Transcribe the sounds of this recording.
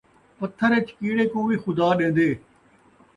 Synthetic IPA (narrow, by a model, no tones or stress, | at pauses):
pət̪ʰːəɾet͡ʃkiːɽeːkõːʋiːxʊd̪aːɗẽːn̆d̪eː